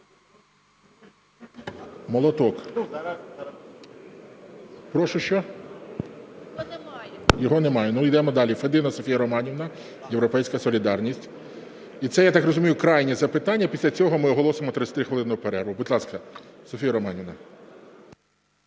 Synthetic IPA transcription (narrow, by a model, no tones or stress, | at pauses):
mɔlˠɔt̪ɔk | pɾɔʃʊʃt͡ʃɔ | jɔɦɔnemɑjɛnujd̪ɛmɔd̪ɑlʲifed̪ɪnɐsɔfʲijɐɾɔmɑnʲiwnɐ | jewɾɔpɛjsʲkɐsɔlʲid̪ɑrnʲisʲtʲ | it̪sɛjat̪ɑkrɔzʊmʲijʊkɾɑjnʲizɐpɪt̪ɑnʲːɐpʲisʲlʲɐt͡sʲɔɦɔmɪɔɦɔlˠɔsemɔt̪ɾɪt͡sʲsʲɐt̪ɾɪxʋelˠɪnɔɦɔpeɾɛɾʋʊbʊd̪lˠɑskɐsɔfʲijɐɾɔmɑnʲiʋnɐ